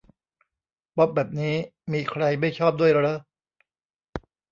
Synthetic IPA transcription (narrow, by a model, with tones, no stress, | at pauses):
pɔ˦˥p̚bɛː˨˩p̚niː˦˥miː˧kʰɾa˧jma˥˩jt͡ɕʰɔː˥˩p̚du˥˩əjɾɤ˦˥